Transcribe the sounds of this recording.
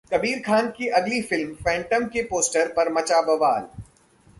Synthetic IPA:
kɐbiːɾkʰaːnkiʔɐɡlifɪlmfɛ̃ːɳʈəmkepoːsʈəɾpɐɾmɐt͡ʃaːbɐʋaːl

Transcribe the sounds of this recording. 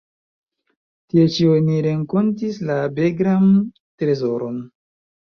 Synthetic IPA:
tiet͡ʃioniɾe̞ŋko̞ntislabe̞ɡɾan | tɾe̞zo̞ɾo̞n

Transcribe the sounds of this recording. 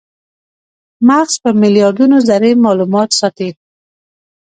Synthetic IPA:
maqspəmɪljɑɾd̪unozaɾemɑlumɑt̪sɑt̪e

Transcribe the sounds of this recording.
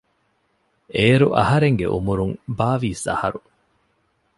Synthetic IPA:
eːɾuʔɐhɐɾeŋɡḛʔṵmuɾuŋbaːʋiːsɐ̰hɐɾu

